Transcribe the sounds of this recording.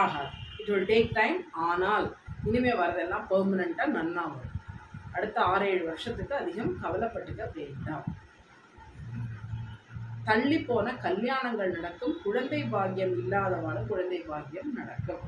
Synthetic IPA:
aːɣɐɪʈɯlɖeːʈːɐɪmaːnaːlɪnɯmeːʋɐɾɐðenːaːpɐːmɪnɐɳʈɐnɐnːaːʋɐʔɐɽɯt̪ːɐaːɾeːɻɯʋɐɾʂɐt̪ːɯkːɯɐðɪɣɐmkɐʋɐlɐpːɐʈːɯkːɐʋeːɳɖaːm | t̪ɐɭːipːoːnɐkɐljaːɳɐŋɡɐɭnɪɽɐkːɯmkʊɻɐnd̪ɐɪbaːɣɪjɐmɪlːaːðɐʋaːɭɐkʊɻɐnd̪ɐɪbaːɣɪjɐmnɐɽɐkːɯm

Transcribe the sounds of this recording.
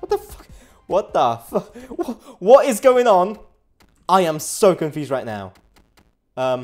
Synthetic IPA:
wʌt̪̚ðəfʌ̥k | wʌt̪̚ðəfʌwwɒtɪzɡoʊɪ̃ŋə̃n | aɪə̃msoʊkə̃ɱfjʉːzdɹaɪʔⁿna̰ʊ | ʌ̃m

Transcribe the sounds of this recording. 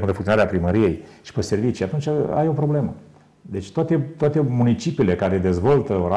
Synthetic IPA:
ɨnd̪əfuŋt̪jonaɾeapɾiməɾije̞jʃi̥pese̞rvit͡ʃijat̪unt͡ʃʲaa̰jo̞pɾo̞ble̞mə | d̪e̞t͡ʃʲt̪oat̪e̞t̪oat̪e̞munit͡ʃipiːle̞kaɾe̞d̪e̞zvo̞lt̪əoɾa

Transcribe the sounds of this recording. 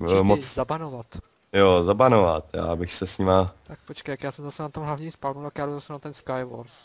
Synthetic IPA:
mot͡szabanovat̪ | jozabanovat̪ja̰ːbɪxsɛsɲimat̪ak̚pot͡ʃkejkjaːsɛmzasɛnat̪omɦlavɲiːmspalnult̪akjaːdowzasɛnat̪ɛnskajvoɾs

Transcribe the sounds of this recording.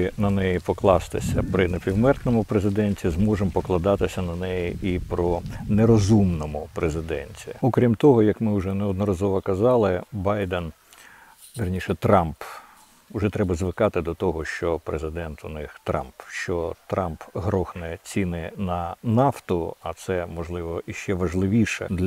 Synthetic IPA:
ɪnɐnɛjipɔklˠɑst̪ɪ̰sʲɐ̰pɾɪnepʲiwmɛrt̪nɔmʊpɾezɪd̪ɛnʲtʲizmɔʐɪmpɔklˠɐd̪ɑt̪ɪsʲɐnɐnɛjiʔipɾɔneɾɔzumnɔmʊpɾezɪd̪ɛnʲtʲiɔkɾʲimt̪ɔɦɔjɐkmɪʊʐɛnɛɔd̪nɔɾɐzɔʋɐkɐzɑlˠɪbɑjd̪ɛn | ʋɪɾɐnʲiʃɛt̪ɾɑmp | ʊʒɛt̪ɾɛbɐzʋɪkɑt̪ɪd̪ɔt̪ɔɦɔʃt͡ʃɔpɾezɪd̪ɛnt̪ʊnɪxt̪ɾɑ̰mpʃt͡ʃɔt̪ɾɑmpɦɾɔxnɛt͡sʲinɪnɐnɑft̪ʊɐt̪sɛmɔʒlˠɪʋɔiʃt͡ʃɛʋɐʒlˠɪʋʲiʃɛ̰d̪lʲ

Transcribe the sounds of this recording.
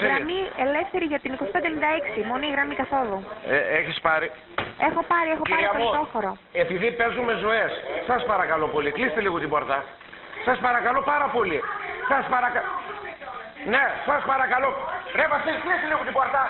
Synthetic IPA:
ɾɐmiele̞fθeɾiʝɐt̪inikosi̥ped̪enind̪ɐeksimoniɣɾɐmikɐθo̞ðueeçispɐɾi | exo̞pɐɾiexo̞ppɐɾiɐtoot̪o̞foɾo | epiðipe̞zume̞zoe̞ssɐspɐɾɐkɐlo̞po̞liklist̪eliɣot̪ibo̞ɾt̪ɐ | sɐspɐɾɐkɐlo̞pɐɾɐpo̞lisɐspɐɾɐkɐ | nesɐspɐɾɐkɐlo̞pɾepɐft̪isklist̪eliɣot̪ibo̞ɾt̪ɐ

